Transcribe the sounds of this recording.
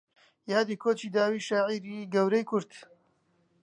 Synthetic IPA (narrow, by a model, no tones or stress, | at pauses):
jaːd̪ikʰoːt͡ʃiːd̪aːwiːʃaʕiɾiːɡɐwɾɐjkʰʊɾt̪